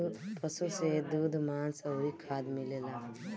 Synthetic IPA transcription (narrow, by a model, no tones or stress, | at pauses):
pəsused̪uːd̪maːnsəikʰaːd̪milelaː